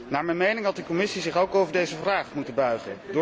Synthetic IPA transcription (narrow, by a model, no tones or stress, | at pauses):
naːɹmɛnmejnɪŋɦɑt̚dəkɔmɪsizɪχowkowvəɹdejzəvraːχmutəbœɥχə̰ndʊː